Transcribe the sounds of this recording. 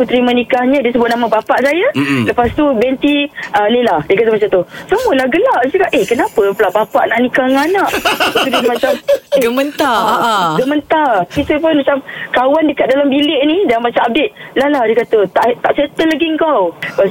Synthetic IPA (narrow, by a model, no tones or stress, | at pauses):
put̪ɾimanikahɲə̃diəs̬əbʊt̪̚namabapaʔsajaləpast̪ubɛnt̪iəlelahdiəkat̪əmat͡ʃat̪usəmuəlahɡəlaʔsəkaʔehkənapəpəlaʔbapaʔnaʔnikahŋanaʔut̪ud̪ismat͡ʃameɡəmənt̪aɡəmənt̪arkit̪upʊnmat͡ʃamkawandəkat̪̚dalambilɪʔnidamat͡ʃamab̚det̪̚lalahdikat̪ət̪aʔt̪aʔset̪əlaɡiəŋkawpa